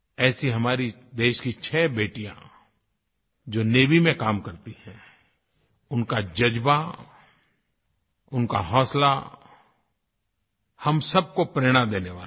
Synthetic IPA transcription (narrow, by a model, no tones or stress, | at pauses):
ɛːsiɦɐmaːɾi | d̪eːʃkit͡ʃʰɛːbeːʈijã̰ | d͡ʒoːneːʋimẽkaːmkɐɾt̪ihɛ̃ | ʊnkad͡ʒɐd͡ʒba | ʊnka̰ɦɔːsla̰ | hɐmsɐb̚kopɾeːɽ̃ãd̪eːneʋaːl